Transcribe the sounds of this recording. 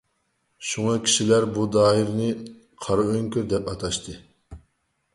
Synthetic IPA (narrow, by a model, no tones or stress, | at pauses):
ʃuŋɑkʲʰi̥ʃilæɾbud̪ɑːjiɾnɨ | qʰɑɾɨøŋkʲyɾd̪ɛpɑt̪ʰɑʃt̪ʰɨ